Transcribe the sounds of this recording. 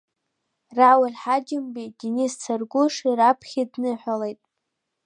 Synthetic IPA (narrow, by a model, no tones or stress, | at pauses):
rawalʲħad͡ʒɪmbidinist͡sʰarɡʷʊʂiɾapʰχʲidnɨħʷᶣalejtʼ